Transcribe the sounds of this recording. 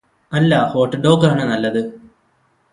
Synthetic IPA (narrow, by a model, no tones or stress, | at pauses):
ɐlːɐho̞ːʈːɐɖo̞ːɡaːɳɨnɐlːɐðɨ